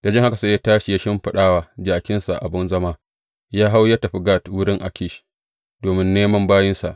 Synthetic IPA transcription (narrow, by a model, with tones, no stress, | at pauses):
da˨d͡ʒɪ˦ŋha˦ka˨sa˦ja˦taː˦ʃi˨ja˦ʃɪ˦mɸɪ˦ɗaː˦waː˦d͡ʒaː˨kʲɪ˦nsa̰˨ʔa̰˨bɪ˦nzɐ˦maː˦ | jaː˦ɦa˦wja˦tɐ˨ɸi˦ɡaː˦˨twʊ˦ɽɪ˦ŋʔa̰˨kʲɪ˦ʃ | doː˨mɪ˦nːeː˦mɐ˦mbaː˦jɪ˦nsa˨ʔ